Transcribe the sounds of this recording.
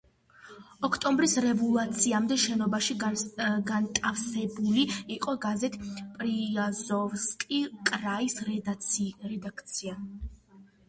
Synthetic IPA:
ɔkʰt̪ʼɔmbɾisɾɛvulˠat̪sʰiamd̪ɛʃɛnɔbaʃiɡant̪ʼafsɛbuliiqʼɔɡazɛt̪ʰpʼɾiazɔvskʼikʼɾais | ɾɛd̪akʰt̪sʰia

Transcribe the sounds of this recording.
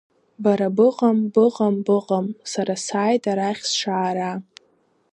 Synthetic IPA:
baɾabɨqʼambɨqʼambɨqʼamsaɾasaːjtʼaɾaχʲsʂaːɾa

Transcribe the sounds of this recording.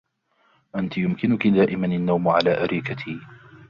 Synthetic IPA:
ʔant̪ɪjʊmkɪnʊkid̪aːʔɪmananːawmʕa̰laːʔaɾʔiːkat̪ʰiː

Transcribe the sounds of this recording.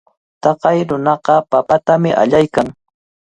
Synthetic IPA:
t̪ɑqɑjɾʊnɑqɑpapat̪amɪʔa̰ʎajkaŋ

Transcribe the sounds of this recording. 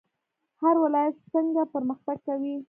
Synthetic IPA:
haɾwɪlɑjat̪səŋɡapəɾməxt̪aɡ̚kawi

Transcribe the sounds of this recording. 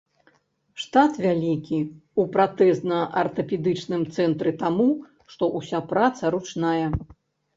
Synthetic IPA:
ʂt̪at̪vʲalʲikʲiupɾat̪ɛst̪nɐʔɐrt̪ɐpʲɛd̪ɨt͡ʂnɨmt̪sɛnt̪ɾɨt̪amu | ʂt̪ɔʔusʲapɾat̪sɐɾut͡ʂnajɛ

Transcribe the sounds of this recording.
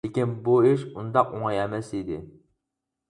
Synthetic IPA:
ɪkʲinbuɪʃund̪ɑqoŋɑjɛmɛsid̪ɪ̰

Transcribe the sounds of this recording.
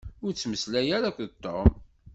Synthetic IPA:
ʊɾt͡sːməslæjæɾakʷðət̪ːom

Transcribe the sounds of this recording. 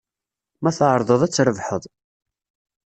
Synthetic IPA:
mæθəʕɾˤðˤəðˤæt͡sːɾəvħəðˤ

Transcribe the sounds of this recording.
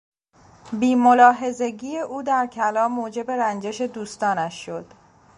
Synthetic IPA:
biːmolɒːɦe̞ze̞ɟiːje̞ʔuːd̪æɾcʰælɒːmːoːd͡ʒe̞be̞ɾænd͡ʒe̞ʃe̞d̪uːst̪ɒːnæʃːo̞d̪̥

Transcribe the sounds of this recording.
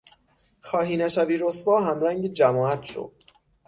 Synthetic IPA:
xɒːɦiːnæʃæviːɾosbɒːɦæmɾæŋɟed͡ʒæmɒːæt̪ʰʃo̰d̪̥̚

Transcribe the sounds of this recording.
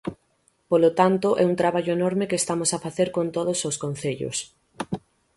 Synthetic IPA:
polot̪ant̪oʔɛunt̪ɾaβaʎoenoɾmekeːst̪amosafaθeɾkont̪oðososkõnθeʎo̰s

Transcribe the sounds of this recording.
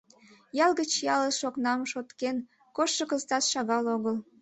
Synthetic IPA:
jɑlɣət͡ɕjɑləʃoknɑmʃot̪ken | koʃːəkəzt̪ɑt̪ʃɑɣɑloɣəl

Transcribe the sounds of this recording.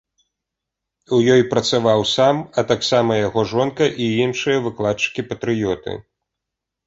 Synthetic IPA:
wjɔjpɾɐt̪savawsamɐt̪aksamɐjaɣɔʐɔnkɐʔiinʂɨjɐvɨklˠat̪t͡ʂɨ̥kʲipɐt̪ɾɨjɔt̪ɨ̰

